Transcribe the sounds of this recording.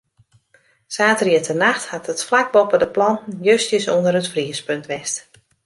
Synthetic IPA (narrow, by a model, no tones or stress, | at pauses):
saːtəriətʰənaxthatətflak̚bɔpədəplɑnn̩jøstəsondərətfriəspøntʋɛst